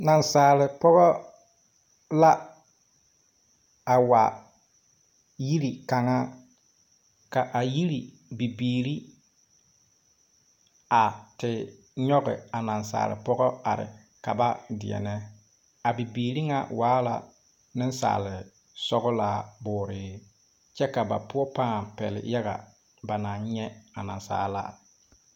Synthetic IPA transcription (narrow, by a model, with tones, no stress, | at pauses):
na˨nsaː˨lɪ˨pɔ˦ɣɔ˦ | la˦ | a˨wa˨ | ji˦ɾi˨ka˨ŋa˦ | ka˨ʔa˨ji˦ɾi˨ | bi˨biː˨ɾi˦ | a˨tɪ˨ | ɲɔ˦ɣɪ̰˨a˨na˨nsa̰ː˨lɪ̰˨pɔ˦ɣɔ˦a˨ɾɪ̰˨ | ka˨ba˦dɪ˨ɛ̰˨nɛ˦ | a˨bi˨biː˨ɾi˦ŋa̰˨waː˦la̰˨ | nɪ˦n˦sa̰ː˨lɪ˨ | sɔ˦ɣʊ˦la˨bʊː˨ɾɪ˨˦ | t͡ʃɛ˦ka˨ba̰˨pʊ˦ɔ˦pa˦˨pɛ̰˨lɪ̰˨ja˦ɣa̰˨ | ba˨na˨n˦ɲɛ˦a˨na˨nsa̰ː˨˦la̰˦˨